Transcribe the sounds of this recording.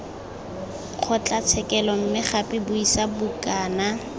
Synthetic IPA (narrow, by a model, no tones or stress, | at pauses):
q͡χʰɔt͡ɬʼat͡sʰɛkɛlɔm̩mɪχapʼɪbʊisabʊkaːna